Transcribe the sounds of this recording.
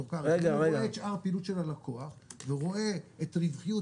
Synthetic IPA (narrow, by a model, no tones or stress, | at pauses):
ukaʁeɡaʁeɡaeet̪ʃʔaʁpiːlut̪ʃelalako̞aχveʁo̞e̞et̪ʁivχiju